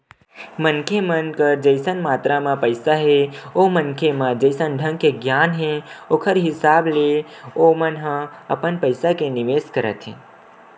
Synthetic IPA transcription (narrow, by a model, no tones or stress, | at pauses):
mənkʰemənkəɾd͡ʒəɪsənmaːt̪ɾamãpəɪsaɦeomənkʰemãd͡ʒəjsənɖʱə̃ŋɡkeɡjaːnɦẽoːkʰəɾɦɪsaːbleomənɦə̃ə̰pənpəɪsakenɪʋeːskəɾə̰t̪ʰɦḛ̃